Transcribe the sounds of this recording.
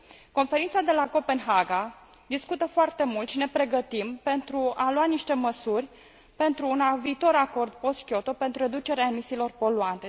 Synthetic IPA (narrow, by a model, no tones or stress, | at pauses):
ko̞nfeɾint̪sad̪e̞lako̞pe̞nɦaɡa | d̪iskut̪əfoart̪e̞mult̪ʃine̞pɾe̞ɡət̪impe̞nt̪ɾualwaniʃt̪e̞məsurʲ | pe̞nt̪ɾuːnaviːt̪o̞ɾako̞rd̪̚po̞st̪kʲo̞t̪o̞pe̞nt̪ɾure̞d̪ut͡ʃe̞ɾeaemisiːlo̞rpo̞luant̪e̞